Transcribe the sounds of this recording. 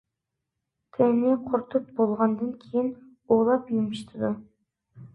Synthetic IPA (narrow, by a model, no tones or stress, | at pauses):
t̪ʰeniqʰoɾt̪up̚bolˠʁɑnd̪ɑŋkʲʰejin | oːlˠɑpimiʃt̪ʰɪd̪u